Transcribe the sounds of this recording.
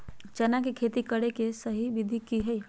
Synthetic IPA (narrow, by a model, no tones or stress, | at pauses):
t͡ʃɛnakekʰet̪ikəɽekesəɦiʋid̪ʱikiɦəi